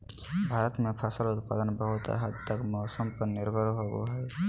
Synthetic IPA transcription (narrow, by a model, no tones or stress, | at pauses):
bʱaːɾət̪mẽpʰəsəlʊt̪pa̰ːd̪ənbəɦʊt̪a̰ɦəd̪t̪əkmɔːsəmpəɾnɪɾbʱəɾɦoɡo̰ɦɛː